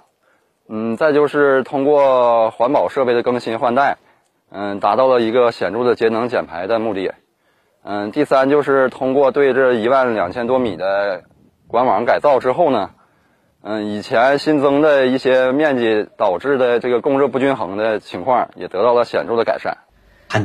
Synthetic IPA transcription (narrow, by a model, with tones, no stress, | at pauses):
n̩˥˩t͡sa˥˧ɪt͡ɕjo˥˧ʊʂɻ̩˥˩t̪ʰʊ˥ŋkwɔ˥˩xwa˧˥npɑ˨˩ʊʂɤ˥˧pe˥˩ɪd̪ə˩kɤ˥ŋɕi˧˥nxwa˥˧nt̪a˥˩ɪ | nə˧˩t̪a˧˥t̪ɑ˥˩ʊlə˩i˧˥ɡə˧ɕjɛ˨˩nʈ͡ʂu˥˩d̪ə˩t͡ɕjɛ˧˥nɤ˧˥ŋt͡ɕjɛ˨˩npʰa˧˥ɪd̪ə˧mu˥˧t̪ḭ˥˩ | n̩˥˧t̪i˥˩sa˥nt͡ɕjo˥˧ʊʂɻ̩˥˩t̪ʰʊ˥ŋkwɔ˥˧t̪we˥˩˧ɪʈ͡ʂə˥˩i˧˥wa˥˩nljɑ˨˩ŋt͡ɕʰjɛ˥nt̪̬wɔ˥mi˨˩d̪ə˦ | kwa˥nwɑ˧˥ŋka˨˩ɪt͡sɑ˥˩ʊʈ͡ʂɻ̩˥xo˥˩ʊnə˩ | n̩˧i˨˩t͡ɕʰjɛ˧˥nɕi˥nt͡sɤ˥ŋd̪ə˧i˥˩ɕjɛ˥mjɛ˥˧nt͡ɕi˥˩t̪ɑ˨˩ʊʈ͡ʂɻ̩˥˩d̪ə˩ʈ͡ʂɤ˥˩ɡə˩kʊ˥˧ŋɻɤ˥˧pu˥˩t͡ɕy˥nxɤ˧˥ŋd̪ə˧t͡ɕʰi˧˥ŋkʰwɑ˥˩ŋjɛ̰˨˩t̪ɤ˧˥t̪ɑ˥˩ʊlə˩ɕjɛ̰˨˩nʈ͡ʂʊ˥˩d̪ə˩ka̰˨˩ɪʂa̰˥˩n